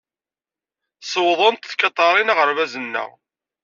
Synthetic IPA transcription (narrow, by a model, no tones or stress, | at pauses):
səwðˤənt̪θkɑt̪ˤːɑɾˤinaʁəɾvæzənːə̰ʁ